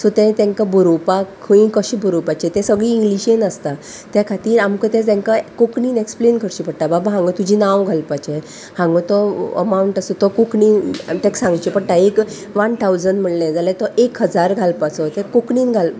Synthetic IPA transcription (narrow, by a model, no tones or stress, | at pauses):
sɔt̪ɛ̃t̪ɛ̃ŋkabʱuɾopakʰəĩkəɕibuɾopat͡ɕɛt̪ɛ̃səɡɭiːŋɡliɕenəst̪a | t̪jakʰat̪iːɾamkɔt̪ɛ̃t̪ɛ̃ŋkakokɳiːneksplenkʰəɾɕipəɽʈ̪ababaɦãŋɡɔt̪ud͡ʑʱinãwɡʱalpat͡ɕɛ | hãŋɡɔt̪ɔə̰mauɳʈasɔt̪ɔkokɳit̪ɛ̃ksãŋɡt͡ɕipəɽʈaek | ʋant̪ʰawd͡zəɳɖm̤əɽlẽd͡zalɛt̪ɔʔekɦəd͡zaɾɡʱalpat͡sɔt̪ɛ̃kokɳiːnɡʱal